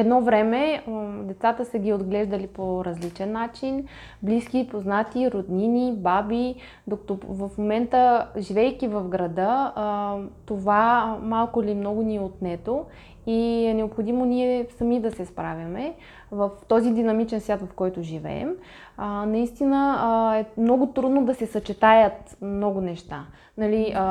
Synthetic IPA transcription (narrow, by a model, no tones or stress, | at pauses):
ɛd̪nɔvɾɛmɛd̪ɛt̪sat̪əsəɡʲiod̪ɡlɛʒd̪əlipoɾɐzlit͡ʃɛnːat͡ʃin | bliskʲipoznat̪iɾod̪ninibabi | d̪okɐ̥t̪ovɐfmomɛnt̪əʒivɛjkʲivəfɡɾɐd̪ə | t̪ovamalˠkʊlimnɔɡʊniɛot̪nɛt̪o | iɛnɛopxod̪imoniɛsɐmid̪ɐsɛspɾavʲɐmɛ | vəft̪ɔzid̪inɐmit͡ʃɛnsvʲjat̪vɐfkɔjt̪ʊʒivɛ̰ɛ̰m | ənɐist̪inəɛmnɔɡʊt̪ɾud̪nod̪ɐsɛsɐt͡ʃɛt̪ajət̪mnɔɡʊnɛʃt̪a | nɐli